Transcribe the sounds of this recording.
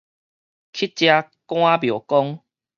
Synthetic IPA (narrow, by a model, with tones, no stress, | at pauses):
kʰi˦˥t̚t͡ɕja˧ | kw̃ã˦bjo˨˩kɔ˦ŋ